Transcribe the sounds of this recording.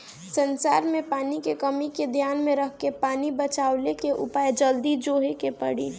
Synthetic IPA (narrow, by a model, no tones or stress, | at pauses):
sənsaːɾmẽpaːnikekəmiked̪ʱjaːnmẽɾəɦkepaːnibət͡ʃaːʊlekeʔʊ̰paːjd͡ʒəld̪id͡ʒoɦekepəɽḭ